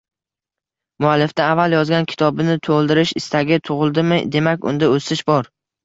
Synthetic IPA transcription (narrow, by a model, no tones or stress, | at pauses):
mʊalːɪfd̪aːvːaljɒzɡʲankʲʰɪ̥t̪ʰɒbɪnɪt̪ʰolˠd̪ɪɾɪʃɪst̪ʰaɡʲɪt̪ʰʊʁɨlˠd̪ɪmɪd̪e̞makʲʊ̰nd̪aosɪʃbɒɾ